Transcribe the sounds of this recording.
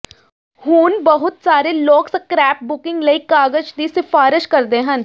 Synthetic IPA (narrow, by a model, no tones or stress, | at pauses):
huːnbəɦʊt̪saːɾeloːkskɾɛːp̚bʊkɪ̃ŋɡləikaːɡəd͡ʒd̪isɪfaːɾɪʃkɐɾd̪ẽɦə̃n